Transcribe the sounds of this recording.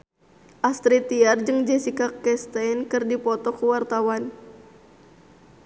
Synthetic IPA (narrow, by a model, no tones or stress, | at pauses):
ʔast̪ɾit̪iard͡ʒɨŋd͡ʒɛsikakɛst̪ankɨrdipɔt̪ɔkəwart̪awan